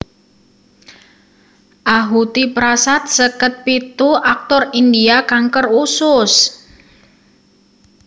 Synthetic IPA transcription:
ʔaɦut̪ipɾasat̪̚səkət̪̚pit̪uʔak̚t̪ɔrindiakaŋkərusʊs

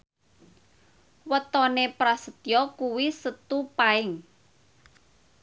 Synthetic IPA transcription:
wət̪ɔnepɾasət̪jɔkuwisət̪upaɪŋ

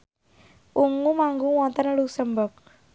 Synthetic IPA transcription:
ʔuŋumaŋɡuwɔnt̪ənlusəmbək̚

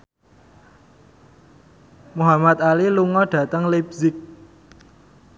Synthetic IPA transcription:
muɦamat̪̚aliluŋɔɖ̥ä̤t̪əŋlebzɪk̚

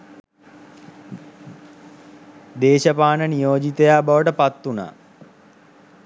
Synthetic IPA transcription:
d̪eːʃəpaːnənijoːd͡ʒit̪əjaːbaʋəʈəpat̪ːuna̰ː

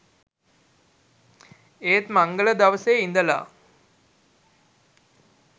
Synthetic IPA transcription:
eːt̪maŋɡələd̪aʋəseind̪əla̰ː

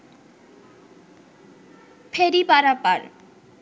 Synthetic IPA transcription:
fʰeɾipaɾapa̰ɾ

